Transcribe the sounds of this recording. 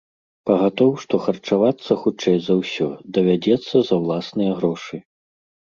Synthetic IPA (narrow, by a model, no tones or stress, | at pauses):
pɐɣat̪ɔwʂt̪ɔxɐrt͡ʂavat̪sːɐxut͡ʂɛjzɐwsʲɔd̪ɐvʲad͡zʲɛt̪sːɐzɐwlˠasnɨjɐɣɾɔʂɨ